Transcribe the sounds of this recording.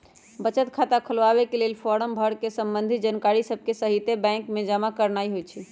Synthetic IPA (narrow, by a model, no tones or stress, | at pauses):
bət͡ʃət̪kʰat̪akʰəlaβekelelpʰɔɾəmbʱəɽkesəmbənd̪ʱid͡ʒənkaɾisəb̚ʱkesəɦit̪ebɛ̃ŋkmed͡ʒamakəɾnaiɦojt͡ʃʰi